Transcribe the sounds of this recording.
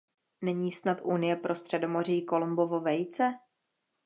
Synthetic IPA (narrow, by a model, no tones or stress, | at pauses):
nɛɲiːsnat̪ʔunɪjɛpɾʔo̞st̪r̥ɛdo̞mo̞r̝ɪjko̞lumbo̞vo̞vɛjt͡sɛ